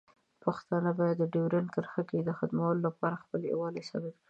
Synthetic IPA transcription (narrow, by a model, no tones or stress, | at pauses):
paxt̪ɑnəbɑjad̪ːəɖewɾankəɾxaked̪əxad̪mawəlolapɑɾaxpəlḛwɑlesɑ̰bab̚kɽi